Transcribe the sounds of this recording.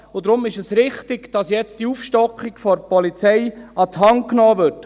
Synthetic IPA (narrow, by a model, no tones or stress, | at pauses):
ʊd̪ɾʊmɪʃəsɾɪχtɪɡd̥ɑsjɛt͡std̥iuːfʃtɔkχiɡfɔɾpɔlit͡sɛjɑt̪ɦɑŋknɔːʋʏɾt